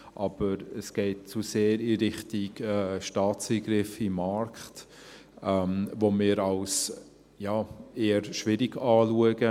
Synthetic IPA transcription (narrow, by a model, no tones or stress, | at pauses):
ʔɑb̥əɾəsɡ̥ɛɪt̚t͡suseːɾiɾɪχtɪɡɛʃtɑːt͡siːɡɾɪfimɑɾkχt | ɛmvomɪːɾɑls | jaːeːəɾʃʋɪɾiɡɑːluəɡə